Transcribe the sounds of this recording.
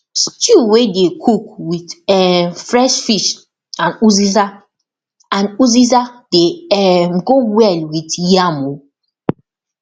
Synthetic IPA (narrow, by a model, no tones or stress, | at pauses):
stjuwedekʰukwitɛfɹɛʃfiʃ | ãnuziza | ãnuzizadeɛmɡowɛlwitjamo